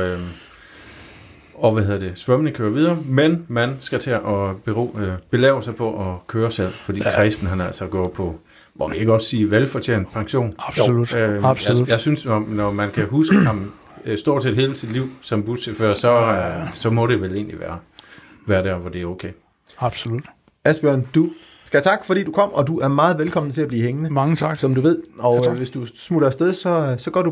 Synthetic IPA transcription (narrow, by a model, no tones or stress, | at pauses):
ɒ̽ʋæhe̝ðˠɐd̥e̝sʋ̥ʁœmənəkʰøːɐʋið̞ˠɐːmenmænsɡ̥æt͡sʰe̝ʔɒb̥e̝ʁo̰b̥e̝lɛːʊsɑ̈ɪpʰɒ̽ʔɒkʰøːɐsel̰fɒd̥ḭkʰʁɛsd̥n̩ɦænæl̰sɒɡ̥ɔ̰ɐpʰɒ̽ | ʋɒmæke̝ɡ̥ɒssiːʋelfɒ̽t͡ɕʰḛːnd̥̚pʰɑ̈ŋɕo̝̰ːn̥ | jjɑ̈ɪsynsnɒnɒmænkʰæɦusɡ̥əhɑ̈m | sd̥o̝ɐ̰d̥sed̥ɦe̝ːlsid̥liʊ̰sɒ̽mb̥u̥seføɐ̰sɒ̽øsɒ̽mɒ̽ɾe̝ʋele̝ːnliʋæːɐ | ʋæːɐɾæɐʋɒd̥e̝æɐoʊkʰeː | ɑb̥solud̥ | æsb̥jɶɐ̰nd̥u | sɡ̥æt͡sʰɑ̈ɡ̥fɒɾḭːd̥ukʰɒ̽m̰ɒ̽duæɐmɑ̈ːð̩ˠʋelkʰɒ̽m̰n̩t͡sʰe̝læbliːheŋənəmɑŋəsɒ̽md̥uʋe̝ð̞̰ˠɒ̽ʋe̝sd̥usmuɾɐsd̥eðˠsɒ̽sɒ̽ɡ̥ɶɐdu